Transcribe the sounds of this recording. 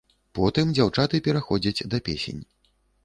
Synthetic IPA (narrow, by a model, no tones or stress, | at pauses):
pɔt̪ɨmd͡zʲawt͡ʂat̪ɨpʲɛɾaxɔd͡zʲɐt͡sʲd̪ɐpʲesʲḛnʲ